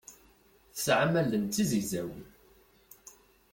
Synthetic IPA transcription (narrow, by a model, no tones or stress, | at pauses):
θəsʕamælənt̪ːizəʝzæwən